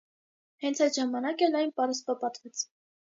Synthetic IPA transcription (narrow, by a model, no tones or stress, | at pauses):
hɛnt͡sʰɑjt̪ʒɑmɑnɑkɛlɑjnpɑɾɛspɑpɑt̪vɛt͡sʰ